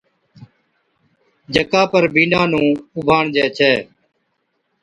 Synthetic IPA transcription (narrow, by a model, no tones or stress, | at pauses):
d͡ʒəkaːpəɾbiːnãːnũːʊbʱaːɳd͡ʒɛːt͡ʃʰɛː